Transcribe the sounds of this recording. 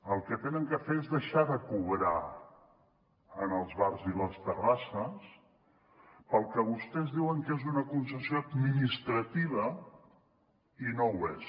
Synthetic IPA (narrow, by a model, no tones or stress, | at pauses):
əlˠkət̪enəŋkəfeɾezðəʃaðəkuβɾa | ənəlˠzβarziləst̪ərasəs | pəlˠkəβust̪ɛzðiwəŋkezunəkunsəsjoəd̪minist̪ɾət̪iβ̞ə | inowes